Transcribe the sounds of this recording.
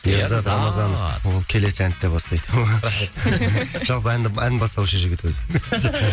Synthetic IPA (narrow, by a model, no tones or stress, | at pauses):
jezɑɑmɑzɑnwo̞lˠkʲʰe̞le̞sɪænt̪ːepɑslˠɑjd̪əɾaχe | ʒ̥ɑlˠpəænd̪ɪænɪbɑst̪ˠɑuʃəʒɪɡʲɪt̪wɵzɪ